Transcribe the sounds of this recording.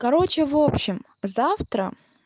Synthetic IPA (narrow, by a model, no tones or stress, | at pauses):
kɐɾot͡ɕɪvopɕːɪm | zaft̪ɾə̰